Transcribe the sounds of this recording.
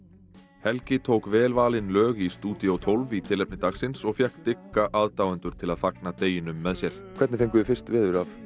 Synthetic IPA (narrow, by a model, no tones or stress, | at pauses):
hɛlcɪt̪ʰowkvɛːlvaːlɪnlœːɣist̪uːt̪iowt̪ʰowlvit̪ʰɪlɛp̚nɪt̪aɣsɪnsɔɣfjahkt̪ɪkːaʔaːðt̪aːwant̪ʏɾ̥t̪ʰɪlaðfaknat̪eːjɪnʏmːɛðsjɛɾ̥kʰvɛɾt̪nɪfejŋkʏɪfɪ̥st̪vɪːðʏɾaf